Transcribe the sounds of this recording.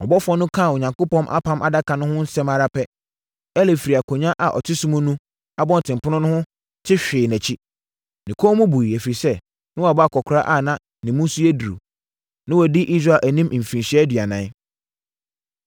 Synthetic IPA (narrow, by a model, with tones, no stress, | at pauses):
ɔ˨bɔ˦fʊ˨˦ɔ˦nʊ̃˦kʰã˦˨ɔ˨ɲã˨ŋko˦pɔ̃˦mʔa̰˦pʰã˦mʔa˨da˦kʰã˨nʊ̃˦hʊ̃˦n̩˦sɛ̃˦ma˨ɾa˦pʰɛ˦ | ɛ˦le˨fi˨ɾi˨a˨kʰõ˨ɲã˦ʔa˨ʔɔ̰˨tʰɪ˦sʊ̃˦mʊ̃˦nũ˦ | a˦bɔ̃˦n˨tʰɪ̃˨mpʰʊ˦nʊ̃˦nʊ̃˦hʊ̃˦ | tʰɪ˦ɕᶣɪː˨næ̃˨t͡ɕʰi˦ | nɪ̃˨kʰo˦mũ˦bu˨i˨æ˨fi˨ɾi˨sɛ˦ | nɪʊ̃˦a˨bɔ˦a˦˨kʰɔ˨kʰɾa˦ʔa˦˨nã˦ | nɪ̃˨mũ˦su˦æ˦du˨ɾṵ˨ | nɪ̃˦wɔ˨dɪ˦ʔi˦s̬ɾa˦˨ʔæ˨nĩ˦m̩̃˨fĩ˨nɕæ˦dɥa˨nã˨˦